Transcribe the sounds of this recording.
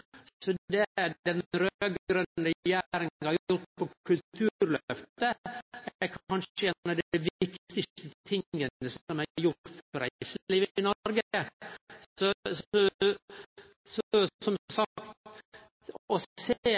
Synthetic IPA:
sɔd̪ɛæɾd̪ɛnɾøøɡɾənɾjæːɾɪŋhɑɾjjʊʈpʰɔkʰʉlt̪ʰʉɾlœft̪əæɾkʰɑnʂəɛɔd̪ɛʋɪktt̪ɪt̪ət̪ʰɪŋːəəsɔmæjʊʈfɔɾæ̰siːʋɪnɔɾɡə | sɔsɔ | sɔsɔmsɑkkt̪ | ɔseː

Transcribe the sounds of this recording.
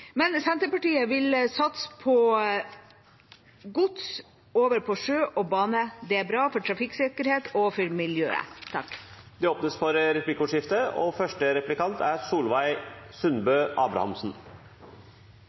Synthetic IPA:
mɛnsɛnt̪əɾpɑʈiːəʋɪlsɑt̪spʰɔ | ɡʊt̪s | oːʋəɾpʰɔʂøːʔɔbɑːnəd̪ɛæɾbɾɑːfɔʈʰɾɑfɪksɪkəɾheːt̪ɔfɔɾmɪljø̰ːə̰t̪ʰɑ̰kː | d̪ɛoːpnəsfɔɾɾɛplɪkʊːʂɪft̪əɔ̰fœʂʈəɾɛplɪkɑnt̪ʰæɾsuːlʋæɪsʉnbøːʔɑːbɾɑ̰hɑ̰msn̩

